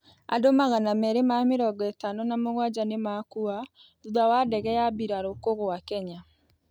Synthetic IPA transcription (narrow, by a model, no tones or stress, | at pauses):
a̰domaɣanamɛɾemameɾɔɡɔɛtanonamoɣwad͡ʑanemakua | uðawadɛɣɛabiɾaɾokoɣwakɛɲa